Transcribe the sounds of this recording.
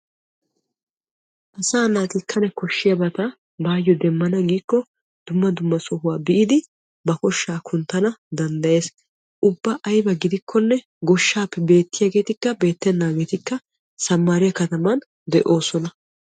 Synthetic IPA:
ʔɐsaːnaːt̪ɪkʰːɐnɛkɔʃːɪjɐbɐt̪ɐ | baːjːɔd̪ɛmːɐnɐɡiːkːɔ | d̪̥ʊmːɐd̪ʊmːɐsɔhʊwaːbɪʔɪd̪ɪ | bɐkɔʃːaːkʰʊnt̪ːɐnɐd̪ɐnd̪ɐje̞ːs | ʔʊbːɐʔɐjbɐɡɪd̪ɪkʰːɔnːɛ | ɡɔʃːaːpːɛbe̞ːt̪ːɪjaːɡe̞ːt̪ɪkːɐbe̞ːt̪ːɛnːaːɡe̞ːt̪ɪkːɐ | sɐmːaɾɪjɐkɐt̪ɐmɐn | d̪ɛʔo̞ːsɔnɐ

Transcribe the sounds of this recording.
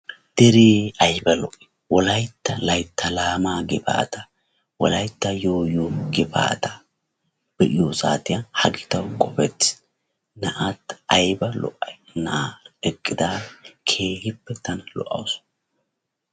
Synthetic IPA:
d̪̥ɛɾeːɐjbɐlɔʔɛ̥ | wɔlɐjt̪ːɐlɐjt̪ʰːɐlaːmaːɡɪba̰ːt̪ɐ | wɔ̰lɐjt̪ːɐjoːjuɡɪbʰa̰ːt̪ɐ | b̥ɛʔɪjosa̰ːt̪ɪjɐhɐɡɪt̪ɐwkʼɔpɛt͡sː | nɐʔat̪ɐjbɐlɔ̰ʔɐjnaɾɛkʼːɪd̪aːkʰeːhɪpːɛt̪ɐnɐlɔ̰ʔɐ̰wsʊ̥

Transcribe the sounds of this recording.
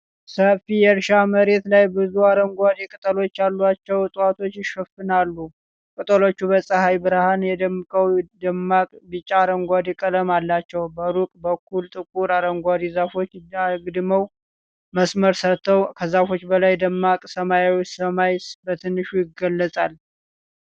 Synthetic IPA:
səfijɛɾʃaməɾe̞t̪lajbɨzuaɾəŋɡʷad̪ikʼɨt̪ʼəlo̞t͡ʃːalːuat͡ʃːɛwt̪ʼwat̪ʰo̞t͡ʃːjɪʃəfɨnalːu | kʼɨt̪ʼəlo̞t͡ʃːubəsʼəhajbɨɾahanjɛd̪əmːɨkʼəwd̪əmːakʼbɨt͡ʃʼːaːɾəŋɡʷad̪ikʼələmalːat͡ʃːɛwbəɾukʼbəkʰːult̪ʼɨkʼuɾaɾəŋɡʷad̪izafo̞t͡ʃːaɡɨd̪məw | məsməɾsət̪ʰːəwkʰəzafo̞t͡ʃːbəlajd̪əmːakʼsəmajawsəmajsbət̪ʰɨnːɨʃujɪɡəlːəsʼal

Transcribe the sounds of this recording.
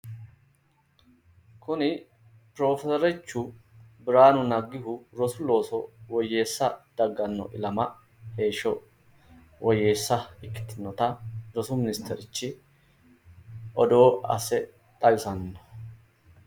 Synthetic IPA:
kʊnɪ | pɾo̞ːfɛsɔɾɛt͡ʃːʊbɪɾaːnʊnɐɡːɪhʊɾɔsʊlo̞ːsɔwɔjːe̞ːsːɐd̪̥ɐɡːɐnːɔ̰ʔɪlɐmɐ | he̞ːʃɔ | wɔje̞ːsːɐɪkːɪ̥t̪ːɪnːɔt̪ɐɾɔsʊmɪnɪst̪ʰɛɾɪt͡ʃːɪ | ʔɔd̪o̞ːʔɐ̰sɛ | t̪ʼɐjʊsɐnːɔ̥

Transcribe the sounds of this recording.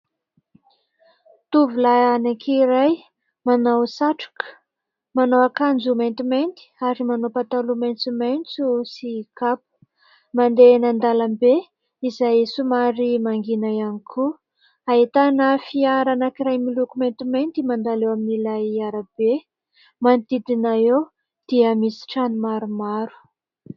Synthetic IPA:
t̪uvulaanakʰiiɾaj | manawsaʈ͡ʂu̥kə̥ | manawakand͡zument̪iment̪i̥aɾimanopat̪alumejnt͡sumajnt͡susikap̚u̥ | mand̪enand̪alambe | izajsumaɾimaŋɡinajanikʰu | ait̪anəfiaɾanakiɾajmilukument̪iment̪imand̪alewaminilajaɾab̥e | mant̪id̪inaew | d̪̥iəmisi̥ʈ͡ʂanimaɾumaɾu̥

